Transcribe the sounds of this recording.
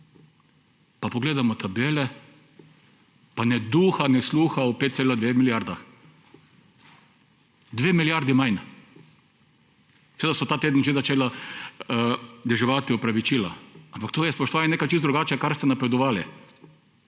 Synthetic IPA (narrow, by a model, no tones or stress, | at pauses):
papɔɡleːd̪amɔt̪ʰabeːlɛ | panɛd̪uːxanɛsluːxaɔpet̪seːlad̪ʋeːxmiljaɾd̪ax | d̪ʋeːmiljaɾd̪imajn | sɛʋeːd̪asɔt̪aːt̪eːd̪nʒezat͡ʃeːla | d̪ɛʒɛʋat̪iɔpɾaʋit͡ʃiːla̰ampak̚t̪oːjɛspoɔʃt̪oʋaːɲʲɛneːkat͡ʃisd̪ɾuɡaːt͡ʃɛkaɾst̪ɛnapɾɛd̪ɔʋaːlḭ